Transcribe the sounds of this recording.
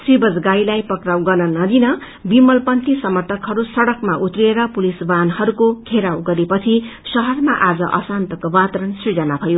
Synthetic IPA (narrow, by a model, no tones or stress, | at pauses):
sribʌd͡zɡajlajpʌkrawɡʌnʌnʌd̪inʌ | bimʌlpʌnt̪isʌmʌrt̪ʰʌkɦʌɾusʌɽʌkmaʔut̪rieɾʌpulisbanhʌɾukokʰeɾawɡʌɾepʌt͡sʰisʌɦʌrmaʔad͡zʌ̰ʔʌ̰sant̪ʌkobat̪ʌɾʌnsrid͡zʌnabʰʱʌjo